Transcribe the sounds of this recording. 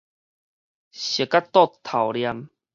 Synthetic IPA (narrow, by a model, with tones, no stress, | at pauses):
ɕə˨˩kːa˦t̪ɔ˥˦˧t̪ʰa˨˩wlja˧m